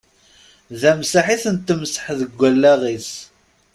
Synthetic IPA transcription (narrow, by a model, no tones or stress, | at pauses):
ðæmsaħiθənt̪ːəmsə̥ħðəɡʷːælːæʁis